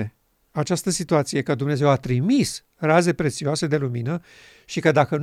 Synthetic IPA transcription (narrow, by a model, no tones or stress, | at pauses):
at͡ʃast̪əsit̪uat̪sije̞kəd̪umne̞ze̞wat̪ɾimis | raze̞pɾe̞t̪sioase̞d̪e̞luminə | ʃikəd̪akən